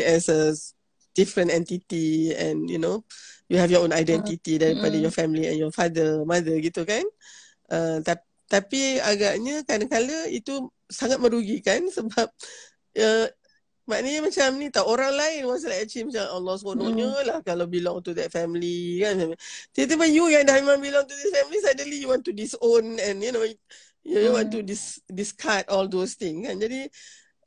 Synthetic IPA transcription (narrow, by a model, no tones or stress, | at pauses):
ɛsə | d̥ifɾə̃nɛnt̪it̪iɛ̰̃njṵnojuɦɛfjɔõnajdɛnt̪it̪idaɾipadajɔfɛmliɛ̰̃njɔfadəmadəɡit̪ukan | ʔət̪a | t̪apiaɡaʔɲəkanãkaləit̪u | saŋat̪̚mə̃ɾuɡikansəbap̚ | ə | maʔnəɲəmat͡ʃamnĩt̪awʔoɾaŋlaɪnwas̬alaɛt͡ʃimat͡ʃamalɔskonõɲəlahkalawbilɔ̃ŋt̪ud̪ɛt̚fɛmlikanmaamt̪iat̪̬əbəjujadahmemãŋbilɔŋt̪ud̪isfɛmlisajdənlijuwɔ̃nt̪udisonɛ̃njuno | jjuwãnt̪udisdiskʰat̪̚ɔld̪ost̪ɪ̃ŋskand͡ʒadi